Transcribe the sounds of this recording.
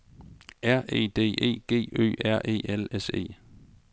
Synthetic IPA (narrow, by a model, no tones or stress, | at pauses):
æɐ̰ʔe̝̰ːd̥e̝̰ːʔe̝̰ːɡ̥e̝̰ːø̰ːæɐ̰ʔe̝̰ːelese̝̰ː